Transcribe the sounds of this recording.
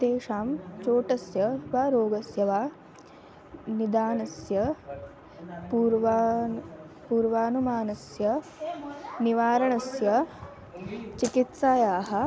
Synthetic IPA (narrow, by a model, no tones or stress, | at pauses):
t̪eːʃaːmt͡ʃoːʈɐsjɐʋaːɾoːɡɐsjɐʋaː | nid̪aːnɐsjɐ | puɾʋa | puːɾʋaːnumaːnɐsjɐ | niʋaːɾɐɳɐsjɐ | t͡ʃikit̪saːjaːɦɐ̆